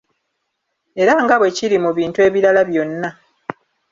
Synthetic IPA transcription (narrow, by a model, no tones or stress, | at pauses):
e̞ɾaŋɡaβwe̞ciɾimuβiːntue̞ːβiɾalaβjo̞nːa